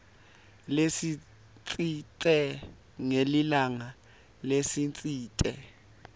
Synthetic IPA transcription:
lesi | t͡sʼitʼɛ | ŋelilaŋa | lesint͡sʼiːtʼɛ

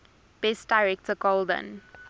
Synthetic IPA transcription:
b̥ɛstdaɪɹɛk̚təkɔldə̰̃n

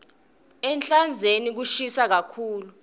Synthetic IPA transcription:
ɛnt͡ɬʼand͡zʱenik̬uʃisak̬akʰuːlu

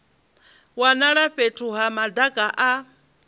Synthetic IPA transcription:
wanaɺaɸetʰʼuɦamad̪akʼaʔa

